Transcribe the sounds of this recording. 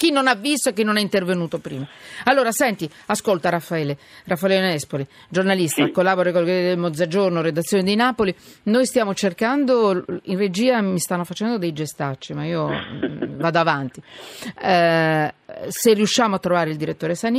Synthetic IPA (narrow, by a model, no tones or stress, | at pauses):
k̟inːonavːist̪oekːinːonɛint̪ervenuːt̪opɾḭːmaalːoːɾasɛnt̪i | askolt̪aɾafːaɛːle | rafːalɛonɛspoli | d͡ʒornalist̪akolːaboɾakolɡeid̪elmod̪zad͡ʒornoɾed̪at̪sːjoːned̪inapolinojst̪jaːmot͡ʃerkand̪oinred͡ʒiːamist̪anːofat͡ʃɛnd̪od̪ejd͡ʒest̪at͡ʃːimaiːo | vaːd̪oavant̪i | serːiuʃːaːmoat̪ːɾovaːɾeild̪iɾet̪ːoːɾesan